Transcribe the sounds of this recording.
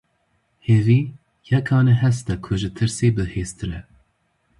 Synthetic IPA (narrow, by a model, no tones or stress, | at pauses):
heːviː | jɛkʰɑːnɛɦɛst̪ɛkʰʊʒɨt̪ʰɨɾseːbɨheːst̪ɨɾɛ